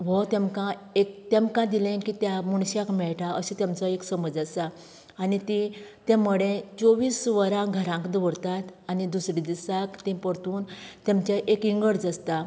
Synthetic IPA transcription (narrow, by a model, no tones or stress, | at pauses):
ʋɔt̪ẽmkãek̚t̪ẽmkãd̪ilẽkit̪jamuɳ̃ɕakmɛɭʈʰaʔəɕĩt̪jamt͡sɔeksəməd͡zasaː | nit̪ĩt̪ãməɽẽt͡soʋiːsʋəɾãɡʱəɾãŋkd̪ʋəɾt̪at̪anid̪usɾid̪isakt̪ĩpəɾt̪uːnt̪emt͡ɕaʔekiŋɡəɽd͡zəst̪a